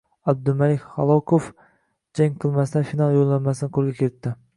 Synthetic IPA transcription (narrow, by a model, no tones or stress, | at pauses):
ɑb̚d̪ʊlmælɪkʲχɑlˠokʰof | d͡ʒaŋqʰɨlˠmæsɪd̪ɛfinɑlˠjolˠːanmæsɪnɪqʰoɾˠɡʲɛkʲʰeɾɪt̪ːɪ